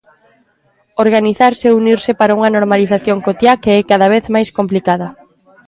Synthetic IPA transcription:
oɾɣaniθaɾseuniɾsɪpaɾauŋɐnoɾmaliθaθjoŋkot̪jakeɛkaðaβ̞eθmajskomplikaðɐ

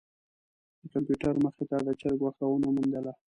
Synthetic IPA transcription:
d̪əkampjuʈaɾməxɪt̪ad̪ət͡ʃaɾɡwaxt̪awənomund̪əla

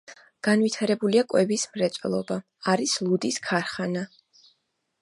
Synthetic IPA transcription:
ɡ̥anvit̪ʰaɾɛbuliakʼwɛbismɾɛt̪sʼɛ̰lˠɔbaː | ɾislˠud̪iskʰaɾχana

